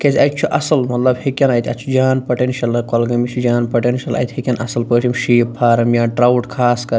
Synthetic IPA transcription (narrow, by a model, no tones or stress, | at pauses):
kʲezʲɐjt̪̚t͡ʃʰuʔɐsɐlmɐt̪lɐbhikʲɐnɐjt̪ʲʰɐt͡ʃʰud͡ʒaːnpɐʈenʃɐlɐkɐlɡɐmit͡ʃʰud͡ʒaːnpɐʈenʃʲɐlɐ̰jt̪ʲhikʲɐnʔɐ̰sɐlpəːʈʰimʃiːpʰːaːɾɐmijaːɖɾawʈkʰaːskɐɾ